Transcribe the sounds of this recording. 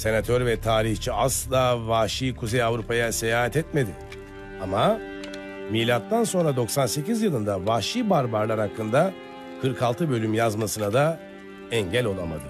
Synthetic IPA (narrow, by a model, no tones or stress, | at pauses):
se̞nat̪ʰøɾvɛt̪ʰaːɾiçt͡ʃʰiaslˠaːvaːʃiːkʰuzejavɾupʰajasejaːɦat̪ɛt̪me̞d̪ɪ | ama | milʲat̪ːanso̞nɾad̪o̞ksanse̞cizjɯlˠɯnd̪avaʃiːbaɾbaɾlˠaɾhakʰːɯnd̪a | kʰɯɾkʰalˠt̪ʰɯbø̞lʲymjazmasɯnad̪a | ɛɲɟælʲo̞lˠamad̪ɯ